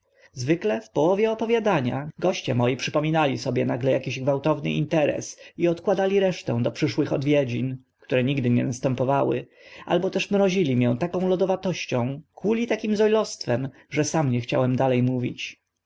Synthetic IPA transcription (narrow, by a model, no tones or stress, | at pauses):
zvɘklɛfpɔwɔvʲjɛɔpɔvʲjad̪aɲa̰ɡɔɕt͡ɕɛmɔjipʂɘpɔmʲinalʲisɔbʲjɛnaɡlɛjakʲiʑɡvawt̪ɔvnɘ̰ḭnt̪ɛɾɛ̰siɔt̪kwad̪alʲiɾɛʂt̪ɛ̰̃w̃d̪ɔpʂɘʂwɘxɔd̪vʲjɛd͡ʑin | kt̪uɾɛɲiɡd̪ɘɲɛ̰nast̪ɛmpɔvawɘ̰ | ʔa̰lbɔt̪ɛʂmɾɔʑilʲimʲjɛ̃t̪akɔ̃w̃lɔd̪ɔvat̪ɔɕt͡ɕɔ̃w̃kʰulʲit̪akʲimzɔjlɔst̪fɛm | ʐɛsamɲɛxt͡ɕa̰wɛmd̪alɛjmuvʲḭt͡ɕ